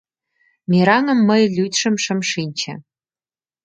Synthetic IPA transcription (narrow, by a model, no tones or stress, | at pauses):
miɾɑŋə̆mːəjlʲyt̪ʃə̆mʃə̆mʃinʲt͡ɕɘ̰̆